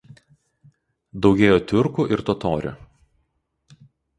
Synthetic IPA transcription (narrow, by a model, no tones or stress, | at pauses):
d̪ɒʊɡʲeːjoːt̪ʲʊɾkuˑʔɪɾt̪ɔt̪oːɾʲʊ̰